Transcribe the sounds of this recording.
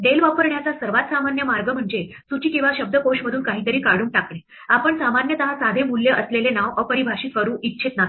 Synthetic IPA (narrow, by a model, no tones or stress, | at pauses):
d̪elʋapəɾɳjat͡sasəɾʋat̪samanjəmaɾɡəm̤əɳd͡ze | sut͡ɕiːkĩw̃ʋaɕəb̚d̪əkoɕməd̪ʱuːnkaɦiːt̪əɾiːkaɽ̤uːŋk̚ʈakle | apəɳsamanjət̪əɦasad̪ʱemuljəʔəslelenaʋəpəɾibʱaʂiːfəɾuːʔitːɕʰet̪na